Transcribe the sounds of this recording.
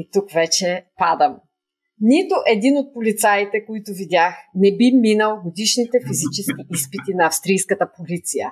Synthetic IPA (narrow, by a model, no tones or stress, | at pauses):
it̪ukvɛt͡ʃɛpad̪ɐm | nit̪ʊʔɛd̪inot̪̚polit̪sait̪ɛkoit̪ʊvid̪ʲaxnɛbiminəlˠɡod̪iʃnit̪ɛfizit͡ʃɛsk̟iʔispit̪inɐːfst̪ɾijskət̪əpolit̪sijə̰